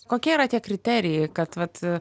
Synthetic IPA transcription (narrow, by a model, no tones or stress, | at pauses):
koːkʲiɛiɾɐt̪ʲiɛkɾʲɪt̪ʲæːɾʲɪjɛɪkɐt̪ʋɐt̪